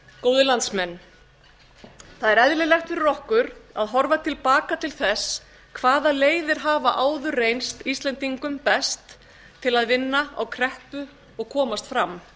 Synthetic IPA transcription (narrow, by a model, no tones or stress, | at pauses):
koːwðɪlant̪smɛnː | θaðɛɾɛðlɪlɛxt̪fɪɾrɔhkʏɾaðɦɔɾvat̪ʰɪlpaːkat̪ʰɪlθɛs | kʰvaːðaleːjðɪɾ̥ɦaːvaʔaːwðʏrejnst̪ist̪lɛnt̪iŋkʏmpɛst̪ʰː | ɪlaðvɪnːaa̰wkʰɾɛhpʏ | ɔɣkʰɔːmast̪fɾamː